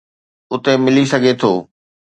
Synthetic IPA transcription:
ʊt̪emɪlisɐɡʱet̪ʰoː

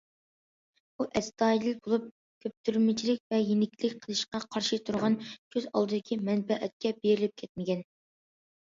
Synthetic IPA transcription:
buʔɛst̪ɑːiɪlbolˠup̚ | kʲʰøp̚t̪ʰyɾmɪt͡ʃʰilɪk̚ʲvɛjenɪkʲʰlɪkʲqʰəlˠɨʃqɑqʰɑɾʃɨt̪ʰuɾʁɑnkʲʰøzɑ̰lˠd̪ɨd̪ɪkʲʰimɛnbɛʔɛt̪̚kʲʰɛbeɾɪlɪp̚kʲʰɛt̪̚mɪkʲɛn

